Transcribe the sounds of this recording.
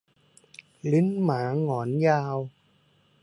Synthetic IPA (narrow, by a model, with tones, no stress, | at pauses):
li˦˥nmaː˩˦ŋɔː˨˩˦njaː˧w